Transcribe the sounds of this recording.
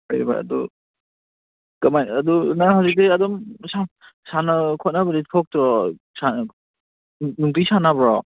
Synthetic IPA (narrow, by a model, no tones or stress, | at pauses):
ajba̰ɐ̰dɔ | kɐmajɐdunaɦawzik̚deɐdɔmsa | sanakʰɔt̚nabɐditʰɔk̚tɾɔ | sa | nuŋtisanabɾɔ